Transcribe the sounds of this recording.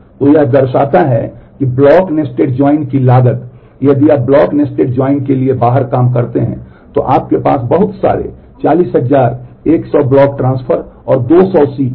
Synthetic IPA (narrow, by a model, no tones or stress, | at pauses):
t̪ojɐɦd̪ɐɾʃaːt̪aɦɛ̰kiblɔːknesʈeːʈd͡ʒɔːɪnkilaːɡət̪ | jəd̪iaːp̚blɔːknesʈeːʈ̚d͡ʒɔːɪnkeliebaːɦəɾkaːmkɐɾt̪eɦɛ̃ː | t̪o̰ʔaːp̚kepa̰ːsbɐɦʊt̪sa̰ːɾḛ | t͡ʃaːliːsɦɐzaːɾeːksɔblɔːkʈɾãːnspʰəɾɔːɾd̪oːsɔːsiː